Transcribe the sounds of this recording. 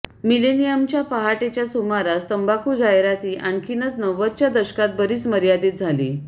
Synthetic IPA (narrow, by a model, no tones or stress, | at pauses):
milenijəmt͡ɕjapaɦaʈet͡ɕjasumaɾast̪əmbakʰuːd͡zajɾat̪iːʔaɳkʰinət͡snəʋət̪t͡ɕjad̪əɕkat̪̚bəɾiːt͡sməɾjad̪iːt̪̚d͡zʱalḭː